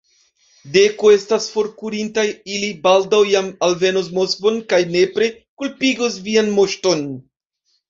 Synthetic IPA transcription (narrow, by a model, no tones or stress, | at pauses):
de̞koe̞stasfo̞ɾkuɾintajilibaldawjamalve̞nos̬mo̞skvonkajne̞pɾe̞ | kulpiɡosvianmo̞ʃto̞n